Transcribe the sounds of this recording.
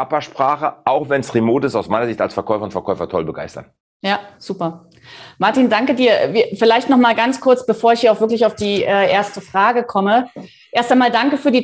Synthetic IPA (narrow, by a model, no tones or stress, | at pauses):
apɐʃpʁ̥aːχəʔaʊxvɛnsʁemoːtɪsaʊsmaɪnɐzɪçtalsfɛɐkʰɔʏfɐʊntfɛɐkʰɔʏfɐtʰɔlbəɡa̰ɪstɐ̰n | jaːz̥uːpɐ | maɐtiːndaŋkədiːɐfɪlaɪçtnɔχmaːlɡant͡skʰʊɐt͡sb̥əfoːɐɪçhiːaʊxfvɪɐklɪçaʊfd̥iːʔɛːʔeːɐstəfʁ̥aːɡəkʰɔmə | ʔeːɐstaɪnmaːldaŋkəfyːɐdiː